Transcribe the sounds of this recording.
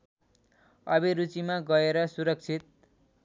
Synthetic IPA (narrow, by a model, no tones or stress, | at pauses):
ʌbiɾut͡simaɡʌeɾʌsuɾʌk̚t͡sʰit̪̚